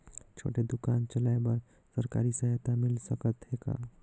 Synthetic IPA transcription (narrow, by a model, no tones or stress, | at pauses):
t͡ʃʰo̰ːʈed̪ukaːnt͡ʃəlaebəɾ | səɾka̰ːɾisəɦt̪amilsəkət̪ɦeka̰